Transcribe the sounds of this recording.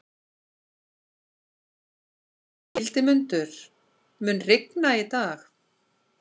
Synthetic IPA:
ɪlt̪ɪmʏnt̪ʏɾ̥ | mʏnrɪknait̪aːx

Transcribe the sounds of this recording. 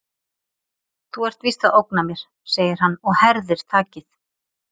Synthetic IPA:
θuɛr̥t̪viːst̪aðowknamjɛɾ̥ | seːjɪɾ̥ɦanːɔɣhɛɾðɪɾ̥t̪ʰaːcɪθ

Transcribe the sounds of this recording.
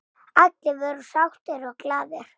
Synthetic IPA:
at̪lɪvœɾʏsawht̪ɪɾɔɣklaːðɪɾ̥

